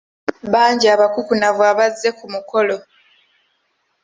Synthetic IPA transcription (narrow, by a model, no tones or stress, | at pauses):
βaːɲɟiaβakukunavwaβazːe̞kumuko̞lo̞